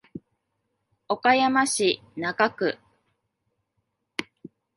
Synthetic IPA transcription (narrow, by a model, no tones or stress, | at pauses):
o̞kajamaɕi | naɡakɯ̟